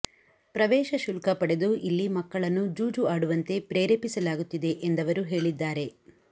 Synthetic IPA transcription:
pɾɐʋɛːʃɐʃulkɐpɐɽe̞d̪uʔilːimɐkːɐɭɐnːud͡ʒuːd͡ʒuaːɽuʋɐnt̪e̞pɾeːɾeːpisɐlaːɡut̪ːid̪e̞ʔend̪ɐʋɐɾuɦe̞ːɭid̪ːaːɾe̞

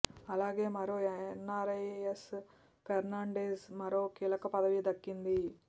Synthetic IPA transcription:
ɐlaːɡe̞ːmɐɾoːnːaːɾees | kɐɾnaːɳɖeːsmɐɾo̞ːkiːlɐkɐpɐd̪ɐʋid̪ɐkːind̪i

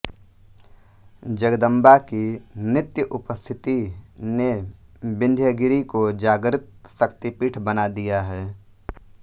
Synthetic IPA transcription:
d͡ʒəɡəd̪ə̃mbakinɪt̪jəʔʊpəst̪ʰɪt̪inebɪ̃nd̪ʱjəɡɪɾikod͡ʒaːɡɾɪt̪̚səkt̪ipiːʈʰbənad̪ijaɦɛː

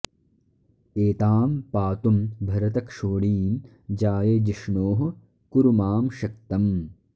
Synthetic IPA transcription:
eːt̪aːmpaːt̪umbʱɐɾɐt̪ɐkʂoːɽiːm | d͡ʒaːjɐd͡ʒɐʂɳoːɦɐ | kuɾumaːmʃɐkt̪ɐm

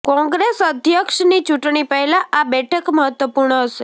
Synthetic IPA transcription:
kɔ̃ŋɡɾesəd̪ʱjəkʃnit͡ʃuʈɳipəɦɛlãʔabɛʈʰəkməɦət̪ʋəpuɾɳəɦəʃe

